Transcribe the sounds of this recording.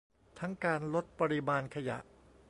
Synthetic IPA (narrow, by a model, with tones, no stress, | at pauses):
t̪ʰa˦˥ŋkaː˧nlo˦˥t̪̚pa˧ɾi˧maː˧nkʰa˧ja̰˨˩ʔ